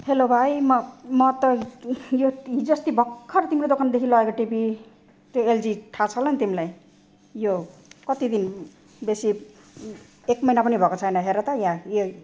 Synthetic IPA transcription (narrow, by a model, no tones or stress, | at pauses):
helobʱajmʌmʌt̪ʌjoid͡zʌst̪ibʱʌkʰːʌɾt̪imɾod̪okʰand̪ekʰilʌekoʈibi | t̪joeld͡ziʈʰat͡sʰʌlʌnt̪imilaj | jokʌt̪id̪in | besi | ekmʌjnapʌnibʱʌkot͡sʰʌjnʌɦeɾʌt̪ʌjãjo